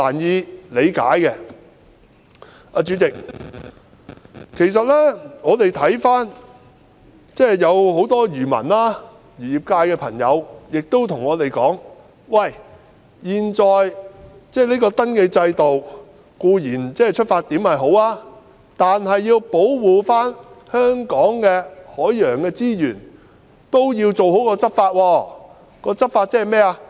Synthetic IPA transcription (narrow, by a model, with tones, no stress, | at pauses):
laː˨˩njiː˨˧le˨˧jka̰ː˨˥jkɛː˧ | ʔaː˧t͡ʃyː˨˥t͡sɪ˨k̚ | kʰe˨˩js̬ɐ˨t̚lɛ˥ŋɔː˨˧t̪e˨jt̪ʰɐ˨˥jfaː˥n | t͡sɛː˥jɐ˨˧who˨˥wt̪ɔː˥jyː˨˩mɐ̰˨˩naː˥ | jyː˨˩jiː˨˩p̚kaː˧jkɛː˧pʰɐ˨˩ŋjɐ̰˨˧wjɪ˨k̚t̪o˥wt̪ʰʊ˨˩ŋːɔː˨˧t̪e˨jkɔː˨˥ŋ | wɐ˨j | jiː˨nt͡sɔː˨jt͡sɛː˥liː˥kɔː˧t̪ɐ˥nkeː˧t͡sɐ˧jt̪o˨w | kuː˧jiː˨˩nt͡sɛː˥˨jt͡ʃʰɵ˥t̚faː˧t̚t̪iː˨˥mhɐ˨jɦo˨˥waː˥ | t̪aː˨nɦɐ˨jːiː˧wpo˨˥wwuː˨faː˥nhœː˥ŋkɔː˨˥ŋkɛː˧hɔː˨˥jjœː˨˩ŋkɛː˧t͡siː˥jyː˨˩n | t̪o˥wjiː˧wt͡so˨who˨˥wkɔː˧t͡sɐ˥t̚faː˧t̚wɔː˧ | kɔː˧t͡sɐ˥t̚faː˧t̚t͡sɛː˥ɦɐ˨˩mɛː˥a˧